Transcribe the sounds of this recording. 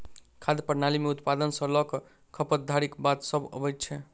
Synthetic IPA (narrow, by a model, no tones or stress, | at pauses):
kʰad̪jəpəɾnalimeut̪pad̪ənsə̃lɔkɔ | kʰəpət̪̚d̪ʱaɾikbat̪səbə̰bəjtt͡ʃʰɛ